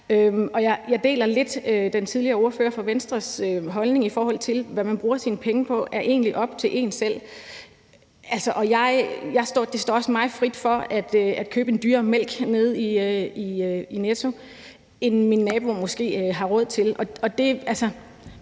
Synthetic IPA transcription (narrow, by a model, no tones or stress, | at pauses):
ømɒ̽jɑ̈ɪjɑ̈ɪd̥e̝̰ːlɐle̝d̥ød̥ent͡sʰiðˠliɐːo̝ɐfø̰ːɐfɒ̽ʋensd̥ʁɐsøɦɒ̽lne̝ŋifɒːɒ̽l̰t͡sʰe̝lʋæmænb̥ʁuːɐsinəpʰeŋəpʰɒ̽ʔæɐʔe̝̰ːnliʔɒ̽b̥̚t͡sʰe̝ʔe̝̰ːnsel̰ | ælsɒʔɒ̽jɑ̈ɪjɑ̈ɪsd̥ɒ̰ːd̥e̝sd̥ɒ̰ːɒ̽smɑ̈ɪð̩ˠfʁid̥fɒ̽æd̥øæd̥̚kʰøːb̥əe̝nd̥yːɐmel̰ɡ̥ne̝ð̞ˠiiøinet͡sʰo̝ | e̝nminːɛːb̥o̝mɔ̽sɡ̥e̝̰ːɦɑ̈ʁɔð̞̰ˠt͡sʰe̝lʔɒ̽ɒ̽d̥e̝ælsɒ